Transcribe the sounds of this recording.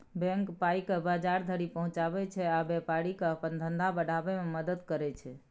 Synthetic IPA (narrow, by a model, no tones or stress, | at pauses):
bɛ̃ŋkpajkebad͡ʒaɾd̪ʱəɾipəɦũt͡ʃabɛt͡ʃʰɛabɛpaɾikeəpənd̪ʱənd̪ʱabəɽʱabɛmeməd̪əd̪kəɾɛt͡ʃʰɛ